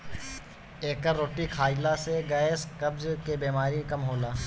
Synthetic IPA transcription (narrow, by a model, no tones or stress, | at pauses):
eːkəɾoːʈikʰaːjlaseɡɐːskɐbzkebeːmaːɾikɐmɦoːlaː